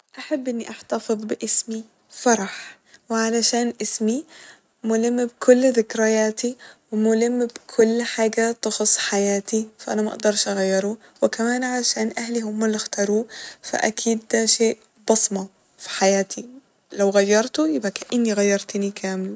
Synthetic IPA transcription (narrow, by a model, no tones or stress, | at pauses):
ʔaħabːʔɪnːiʔaħt̪ɑfɨðˤbɪʔɪsmi | fɑɾˤɑħ | wɪʕalaʃaːnʔɪsmi | mʊlɪmːbkʰʊlːðɪkɾɪjaːt̪iwɪmʊlɪmːbkʰʊlːħaːɡat̪ɑxʊsˤːħajaːt̪ifaʔanamaʔɑ̰ʔd̪ɑɾˤʃʔaɣajːɑɾˤu | wɪkamaːnʕalaʃaːnʔahliɦʊmːalːɪxt̪ɑːɾˤuːfa̰ʔa̰kʰiːd̪̚d̪aʃeːʔ | bɑsˤmɑ | fi̥ħajaːt̪ʰi | lawɣajːɑɾˤt̪ʊjɪbʔakaʔɪnːiɣajːɑɾˤt̪ɪnikʰaːmɪl